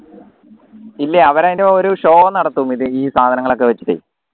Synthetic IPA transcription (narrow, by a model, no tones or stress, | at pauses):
ilːeɐʋɐɾaːjindeoɾuɕo̞ːɐnɐɽɐt̪ːuʋumiðɨiːsaːd̪ʱɐnɐŋːɐɭo̞k̬ːe̞ʋɐt͡ɕːiʈːḛ